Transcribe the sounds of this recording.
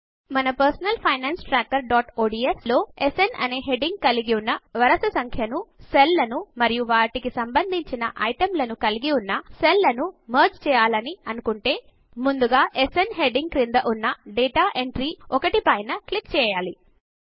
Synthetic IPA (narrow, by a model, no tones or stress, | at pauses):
mɐnɐpɐɾsɐnɐlpʰɐjnaːnsʈɾaːk̚ːɐɾɖaːʈoːɖiːeslo̞ːesenɐ̰neːɦe̞ɖiŋɡ̚kɐliɡiunːɐʋɐɾɐsɐsɐŋkʰjɐnuselːɐnumɐɾijuʋaːʈikisɐmbɐnd̪ʱiɲt͡ʃinɐʔɐjʈɐmlɐnukɐliɡiunːɐselːɐnumɐːɾd͡ʒt͡ʃɛːjaːlɐniɐnukuɳʈe̞ː | mund̪uɡaːʔesenɦe̞ɖiŋɡkɾind̪ɐʔunːɐɖɛːʈaːʔeɳʈɾiːɔkɐʈipɐjnɐklikt͡ʃɛːjaːli